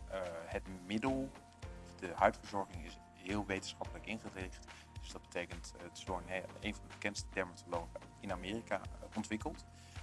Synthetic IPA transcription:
hətmɪdəlˠ | ɔfdəhœɥtfəɹzɔɹχɪŋɪs | ɦɪːlˠʋejtənsχɑpələkɪnχərɪχt | døsdɑd̚b̥ətejkənttədoɹnḛjnvɑndəbəkɛntstədɛɹmatʰolowχəɪnameːrika̰ʔɔntʋɪkəlˠt

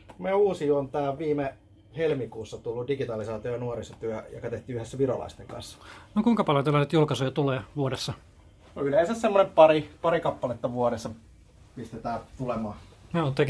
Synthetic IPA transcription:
meouːsiuont̪ɑːʋʋiːme | helmikuːsːɑt̪ulːudiɡit̪ɑlisɑːt̪iojɑnuoɾist̪ɑ̥t̪yæjo̰kɑt̪eht̪yyhesːæʋirolɑ̰ist̪ḛŋkɑ̰nsːɑ̥nokuiŋkɑpɑljont̪ælːɑset̪julkɑsujɑt̪uleːʋuoɾesːɑ | noyleːˑnsæssemːonempɑɾipɑɾikɑpːɑlet̪ːɑʋuoɾesːɑ | pist̪et̪æːt̪ulemɑː | neot̪ːe

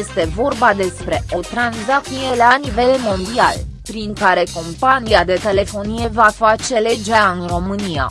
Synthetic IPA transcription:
est̪e̞vo̞rbad̪e̞spɾe̞ʔo̞t̪ɾanzak̚t̪ije̞lanive̞lmo̞nd̪ia̰lpɾiŋkaɾe̞ko̞mpaniad̪e̞t̪e̞le̞fo̞nije̞vafat͡ʃe̞le̞d͡ʒeaɨnro̞mɨnija̰

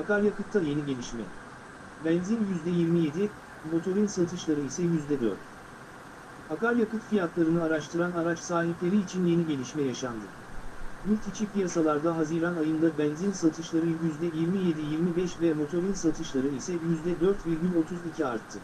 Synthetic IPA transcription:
akaɾjakɯt̪ʰːaje̞niɟe̞lʲiʃmɛ̰ | bɛnzinjyzd̪ɛjiɾmije̞d̪i | mo̞t̪ʰo̞ɾinsat̪ʰɯʃlˠaɾɯisɛjyzd̪ɛd̪ø̰ɾt̪ | akaɾjakɯt̪fijat̪lˠaɾɯnɯaɾaʃt̪ʰɯɾanaɾat͡ʃsaːɦiplʲe̞ɾiːt͡ʃʰinje̞niɟe̞lʲiʃmɛjaʃand̪ɯ | ylʲt̪it͡ʃʰipijasalˠaɾd̪aɦaziɾanajɯnd̪ˠabɛnzinsat̪ʰɯʃlˠaɾɯjyzd̪ɛjiɾmije̞d̪ijiɾmibɛʃvɛmo̞t̪ʰo̞ɾinsat̪ʰɯʃlˠaɾɯisɛjyzd̪ɛd̪øɾt̪viɾɟʲylʲo̞t̪ʰuzicʰiaɾt̪ʰːɯ

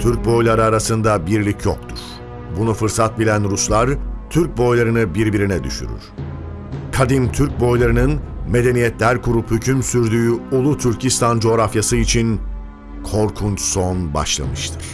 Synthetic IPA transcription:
t̪ʰyɾc̚bo̞jlˠaɾɯaɾasɯnd̪abiɾlʲicʰjo̰k̚t̪ʰṵɾ̥ | bunufɯɾsat̪̚bilʲænɾuslˠaɾt̪ʰyɾc̚bo̞jlˠaɾɯnɯbiɾbiɾinɛd̪y̰ʃy̰ɾy̰ɾ̥ | kʰad̪imt̪ʰyɾc̚bo̞jlˠaɾɯnɯnme̞d̪e̞nijɛt̪lʲæɾkʰuɾuphycʰymsyɾd̪yːyulˠut̪ʰyɾcʰist̪ʰand͡ʒo̞ːɾafjasɯit͡ʃʰin | kʰo̞ɾkʰunt͡ʃsonba̰ʃlˠa̰mɯʃt̪ʰɯ̥ɾ̥

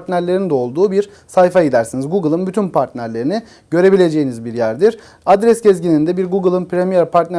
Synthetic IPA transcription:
t̪næɾlʲe̞ɾind̪ɛo̞lˠd̪uːbiɾ | sajfajid̪æɾsinizɡuɡɯlˠɯnbyt̪ʰynpʰaɾt̪nʲæɾlʲe̞ɾini | ɟø̞ɾe̞bilʲe̞d͡ʒe̞jinizbiɾjæɾd̪iɾ | ad̪ɾɛsɟɛzɟinʲind̪ɛbiɾɡuɡɯlˠɯnpʰɾemijɛɾpʰaɾt̪næ

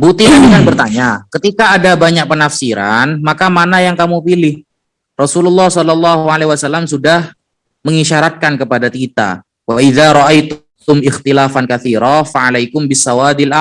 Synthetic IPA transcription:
but̪inadikanbərt̪aɲakət̪ikaːdabaɲak̚pənafsiɾanmakamanajaŋkamupilɪh | rɔsululːɑhsɔlɑlːɑɦualehwasalːamsudah | məŋiʃaɾat̪̚kankəpadat̪it̪a̰ | waʔiðaɾɑʔajt̪ | ʊmɪxt̪ilaːfankaθiːɾafaʕalajkʊmbɪsːawad̪ɪlʔa

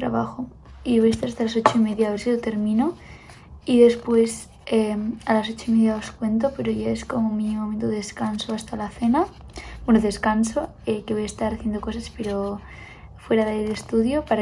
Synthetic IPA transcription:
t̪ɾa̰βaxo | iβo̞jest̪aɾast̪alaso̞t͡ʃo̞imeðjaːβeɾsilot̪e̞ɾmĩno | iðe̞spwe̞s | emalaso̞t͡ʃoimeðjao̞skwe̞nt̪ope̞ɾoʝaeskomomĩnimoment̪oðeskansoast̪alaθena | bwenoðe̞skanso | ekeβo̞jaest̪aɾaθjend̪oko̞saspeɾo | fwe̞ɾaðeelest̪uðjopaɾa

